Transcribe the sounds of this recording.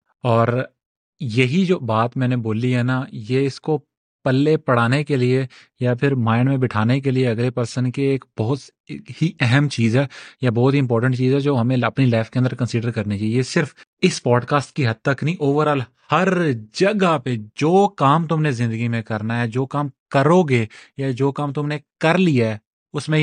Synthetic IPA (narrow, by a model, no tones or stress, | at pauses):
ɔːɾ | jɐɦid͡ʒoːbaːt̪mɛːneboːliɦɛnajeɪsko | pɐlːepɐɽaːnekelie | japʰɪɾmaːɪɳɖmẽbɪʈʰaːnek̬elieɐɡlepɐɾsənkeːkb̥ɔɦʊt̪ | hiʔɛɦɛmt͡ʃiːzɦɛːjabɔːt̪ɦiɪ̃mp̬ɔːɾʈə̃ɳʈt͡ʃiːzɦɛd͡ʒoːɦɐmẽɐpnilaːɪfkẽə̃nd̪əɾkə̃nsɪɖəɾkɐɾnet͡ʃaːɦiesɪɾf | ɪspɔːɖkaːsʈ̚kiɦɐd̪̚t̪əknĩʔoːʋəɾɔːl | hɐɾd͡ʒɐɡaped͡ʒoːkaːmt̪ʊmnezɪ̃nd̪əɡimẽkɐɾnaɦɛd͡ʒoːkaːmkəɾoːɡejad͡ʒoːkaːmt̪ʊmnekɐɾlijaɛ | ʊsmẽ